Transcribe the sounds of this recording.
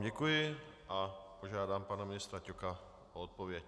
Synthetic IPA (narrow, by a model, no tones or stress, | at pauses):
ɟɛkujɪ | apoʒaːd̪aːmpanamɪnɪst̪ɾacɔka | oɔt̪̚poʋɪɛc